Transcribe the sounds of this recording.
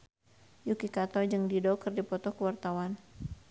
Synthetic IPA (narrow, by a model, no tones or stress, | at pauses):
jukikat̪ɔd͡ʒɨŋdidɔkərdipɔt̪ɔhkəwart̪awan